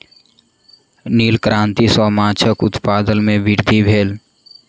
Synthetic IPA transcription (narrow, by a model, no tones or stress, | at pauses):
niːlkɾãːnt̪isɔːmaːt͡ʃʰəkʊt̪paːd̪əlmẽbɪɾd̪ʱibʱeːl